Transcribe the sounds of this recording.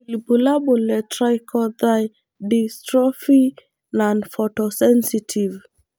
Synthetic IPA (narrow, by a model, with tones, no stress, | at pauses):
libu˨la˦bo˨lɛ˨tɾajkʰɔ˦d̪aj | distɾɔ˦fi˦ | nanfɔtɔsɛ˦nsitʰi˨v